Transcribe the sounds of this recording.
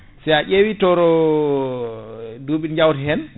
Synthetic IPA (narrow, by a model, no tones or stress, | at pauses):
sɛaʔewitɔɾɔ | duɓinɲd͡ʒawtɛɦɛn